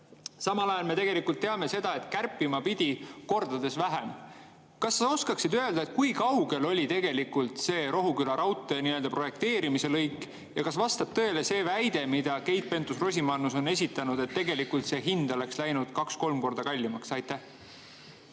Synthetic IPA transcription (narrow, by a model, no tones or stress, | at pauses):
sɑmɑlɑjɑlme̞t̪eɡe̞likˑult̪ːe̞ɑme̞se̞d̪̥ɑe̞t̪kærpːˑimɑpid̪̥ʲiko̞rd̪̥ɑd̪e̞svæɦem | kɑsːɑo̞skɑksid̪øe̞ld̪ɑe̞t̪̚kujkɑwɡ̥e̞lo̞lʲit̪e̞ɡe̞likult̪se̞ːɾo̞ɦukylɑɾɑwt̪ːˑeniø̞ld̪ɑpro̞je̞kt̪e̞ːɾimise̞lɤjkːˑ | jɑkɑsvɑst̪ɑb̥̚t̪ɤ̞e̞le̞se̞ːvæjd̪̥e̞mid̪̥ɑke̞jt̪̚pe̞nt̪ːusro̞s̬ʲimɑnːuso̞ne̞s̬ʲit̪ːˑɑnud̪̥e̞t̪ːe̞ɡe̞likult̪se̞ːɦind̪̥o̞le̞kslæjnud̪̥kɑksko̞lmko̞rd̪̥ɑkɑlʲːimɑksɑjt̪ːæh